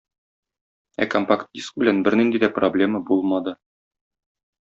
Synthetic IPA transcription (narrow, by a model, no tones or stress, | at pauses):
æ̰kompakt̪̚isk̚bɘ̆lænbɘɾnind̪id̪æproblʲe̞məbulˠmɑd̪ɤ